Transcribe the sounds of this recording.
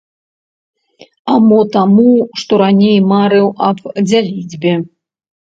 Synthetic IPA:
amɔt̪amuʂt̪ɔɾanʲejmaɾɨwʔɐbd͡zʲalʲid͡zʲbʲɛ

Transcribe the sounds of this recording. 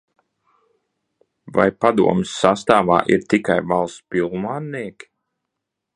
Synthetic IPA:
va̰jpad̪ṵɔmɨsːast̪aːva̰ːʔiɾt̪ikajvalˠspilˠmaːnniɛkʲi̥

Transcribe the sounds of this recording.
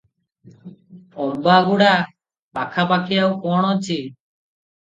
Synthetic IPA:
ɔɾbaɡuɽa | pakʰapakʰijawkɔɽ̃ɔt͡ʃʰi

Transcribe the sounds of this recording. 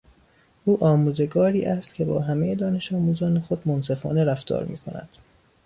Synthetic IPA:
ʔuːʔɒːmuːze̞ɡɒːɾiːʔæst̪cʰe̞bɒ̰ːɦæmejed̪ɒːne̞ʃɒːmuːzɒːnexo̞d̪monse̞fɒ̰ːne̞ɾæft̪ɒ̰ːɾmḭːkʰo̞̰næ̰d̪̥

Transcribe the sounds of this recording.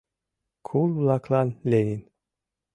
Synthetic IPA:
kʰululˠakʰlanlenin

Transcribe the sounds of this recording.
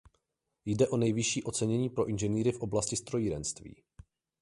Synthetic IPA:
jdɛʔo̞nɛjvɪʃiːʔo̞t͡sɛɲɛɲiːpɾo̞ʔɪnʒɛniːɾɪfʔo̞blascɪst̪ɾo̞jiɾɛnst̪vḭː

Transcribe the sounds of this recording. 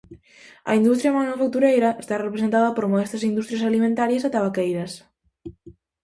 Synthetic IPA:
ɐ̰ind̪ust̪ɾjɐmanufak̚t̪uɾejɾɐʔest̪arepɾesent̪aðɐpoɾmoest̪ɐsind̪ust̪ɾjasalimẽnt̪aɾjɐsat̪aβakejɾɐs

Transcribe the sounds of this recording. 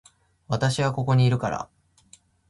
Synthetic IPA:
βat̪aɕiβako̞ko̞ɲ̟iːɾɯ̟kaɾa̰

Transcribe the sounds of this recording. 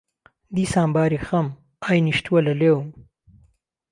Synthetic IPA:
d̪isãːmbɑːɾixɐm | ajniʃt̪wɐlɐlewm

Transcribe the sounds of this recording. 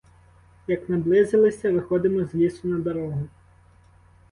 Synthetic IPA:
jɐknɐblˠɪzelˠɪsʲɐʋɪxɔd̪ɪmɔzʲlʲisʊnɐd̪ɐɾɔɦʊ

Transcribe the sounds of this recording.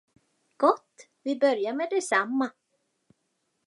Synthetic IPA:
ɡ̥ɔt̪ː | vɪbœɾjamɛd̪ɛsamːa

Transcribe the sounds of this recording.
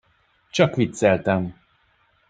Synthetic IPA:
t͡ʃɒkʋit̪sɛlt̪ɛm

